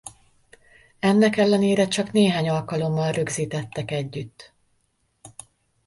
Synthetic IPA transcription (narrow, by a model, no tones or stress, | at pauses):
ɛnːɛkɛlːɛneːɾɛt͡ʃɒkneːɦaːɲɒlkɒlo̞mːɒlrø̞ɡziːt̪ɛt̪ːɛkɛɟːyt̪ː